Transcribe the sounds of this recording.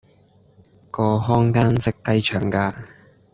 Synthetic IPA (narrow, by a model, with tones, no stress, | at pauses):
kɔː˧ɦɔː˥ŋkaː˥nsɪ˥k̚t̪ɐ˥jt͡ʃʰœː˨˩ŋkaː˧